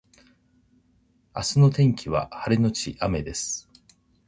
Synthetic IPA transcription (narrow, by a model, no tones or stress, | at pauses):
a̰sɨno̞t̪ẽ̞ŋkʲiβ̞a̰haɾeno̞t͡ɕiʔame̞d̪e̞sɨ̥